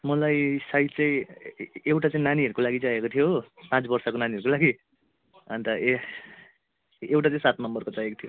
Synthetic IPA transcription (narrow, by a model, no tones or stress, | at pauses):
mʌlajsajt̪t͡sʌ̃ĩ | ewʈat͡saĩnaniʌɾukolaɡid͡zaekot̪ʰijopãt͡sbʌrsʌkonaniʌɾukolaɡi | ʌnt̪ʌ | ewʈat͡sãĩsat̪̚nʌmbʌrkot͡sajekot̪ʰijo